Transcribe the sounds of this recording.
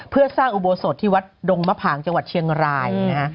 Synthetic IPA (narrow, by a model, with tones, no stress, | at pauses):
pʰɯ˥˩ɐsaː˥˩ŋʔu˨˧boː˧so˨˩t̪ʰːiː˥˩wa˦˥t̪̚do˧ŋma˦˥˩pʰaː˩˦ŋt͡ɕa˧ŋwa˨˩t̪̚t͡ɕʰi˧əŋɾaː˧jna˦˥ka˦˥